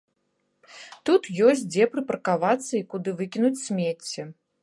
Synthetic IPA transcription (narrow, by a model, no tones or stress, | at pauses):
t̪ut̪jɔs̬ʲtʲd͡zʲɛpɾɨpɐɾɐkavat̪sːɐikud̪ɨvɨkʲinut͡sʲsʲmʲet͡sʲːɛ